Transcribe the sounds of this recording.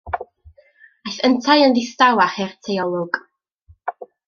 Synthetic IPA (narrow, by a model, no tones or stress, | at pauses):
ajθəntʰajəndɪstawaχɛrtʰɛjɔlˠɔɡ̥